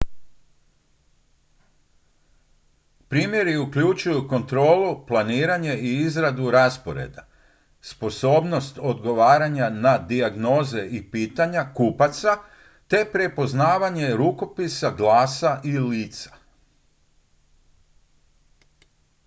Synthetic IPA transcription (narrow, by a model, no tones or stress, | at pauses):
pɾiːmje̞ɾiukʎut͡ʃujuko̞nt̪ɾo̞ːluplaniːɾaɲe̞iizɾad̪uɾaspo̞ɾe̞̰d̪a | spo̞so̞ːbno̞st̪o̞d̪ɡo̞ʋaːɾaɲanad̪iaɡno̞ːze̞ʔipiːt̪aɲakupat̪sa | t̪e̞pɾe̞po̞znaːʋaɲe̞ɾuko̞pisaɡlaːsaʔiliːt̪sḁ